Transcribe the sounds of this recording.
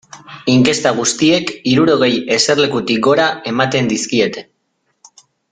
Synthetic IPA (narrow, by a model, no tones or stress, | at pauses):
iŋke̞st̪aɣ̞ust̪ie̞kiɾuɾo̞ɣ̞e̞je̞se̞rle̞kut̪ik̚ɡo̞ɾae̞mat̪e̞nd̪iskie̞t̪e̞̥